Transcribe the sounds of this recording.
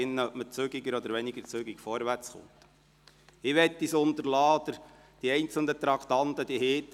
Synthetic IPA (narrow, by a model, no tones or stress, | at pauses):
ɪnːəœpmət͡søɡɪɡəɾɔd̪əɾʋɛniɡəɾt͡søɡikfɔɾʋært͡sχo̰ːt̪ | ɪʋɛt̪ːisʊnt̪əɾlɑːɔd̥̪əɾ | d̥iɛɪnt͡sl̩dət̪ɾɑkt̪ɑnt̪əd̥̪iheːt̪ː